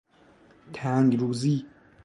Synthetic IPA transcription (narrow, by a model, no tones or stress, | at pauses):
t̪ʰæŋɡɾuːziː